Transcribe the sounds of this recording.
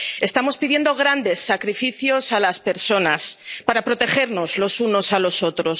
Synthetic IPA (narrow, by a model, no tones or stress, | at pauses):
e̞st̪amo̞spiðje̞nd̪o̞ɣ̞ɾand̪e̞sːakɾifiθjo̞salaspe̞ɾso̞naspaɾapɾo̞t̪e̞xe̞ɾno̞zlo̞suno̞salo̞so̞t̪ɾo̞s